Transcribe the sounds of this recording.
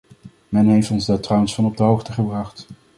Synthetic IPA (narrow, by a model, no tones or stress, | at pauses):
mɛnɦejftɔnzdɑtrawənsfɑnɔb̚dəɦowχtəχəbrɑχt